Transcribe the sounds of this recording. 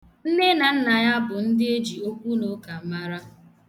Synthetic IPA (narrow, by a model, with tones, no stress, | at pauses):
n̩˦ne˦na˨n̩˦na˨ɲa˦bʊ˨n̩˦dɪ˦e˦d͡ʒi˨o˦kʷu˦no˦ka˨m̩˦ma˦ɾa˦